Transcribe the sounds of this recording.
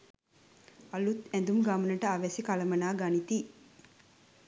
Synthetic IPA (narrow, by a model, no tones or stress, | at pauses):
ɐlut̪ænd̪umɡamənəʈəaʋæsikalɐmɐnaːɡanit̪i